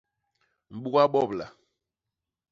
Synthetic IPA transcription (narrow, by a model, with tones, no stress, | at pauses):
m̩˨ɓu˦ka˦ɓɔ˦˨bla̰˨